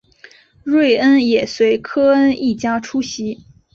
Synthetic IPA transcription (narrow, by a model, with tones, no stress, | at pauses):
ɻwe˥˩ɪə˥njɛ˨˩swe˧˥ɪkʰɤ˥ə˥ni˥˩t͡ɕja˥ʈ͡ʂʰu˥ɕi˧˥